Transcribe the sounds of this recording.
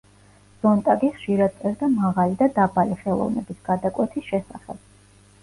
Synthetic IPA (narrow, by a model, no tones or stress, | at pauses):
z̥ɔnt̪ʼaɡiχʃiɾad̪̚t̪sʼɛɾd̪amaʁalid̪ad̪abaliχɛlˠɔ̰vnɛbisɡ̥ad̪akʼwɛt̪ʰisʃɛsa̰χɛ̰b̥̚